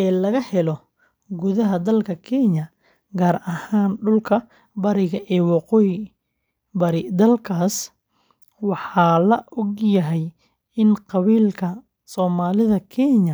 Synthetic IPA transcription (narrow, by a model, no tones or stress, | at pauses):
ʔɛːlɐɣɐhɛlɔ | ɡʊðɐɦɐd̪ɐlkʰɐkʰɛɲɐ | ɡaːrɐhaːnɖʊlkʰɐ | bɐɾɪɣɐʔɛːwɑqɔj | bɐɾɪd̪ɐlkʰaːs | wɑħɑːlɐʔɔɡjɐɦɛj | ɪnqɑβiːlkʰɐ | sɔːmaːlɪðɐkʰɛɲɐ